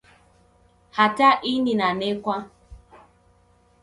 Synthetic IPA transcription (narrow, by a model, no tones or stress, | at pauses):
hataʔininanekʷa